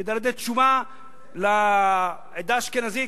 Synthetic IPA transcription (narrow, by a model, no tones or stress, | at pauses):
ed̪aɾd̪et̪ʃuma | la | ed̪aʃkenazi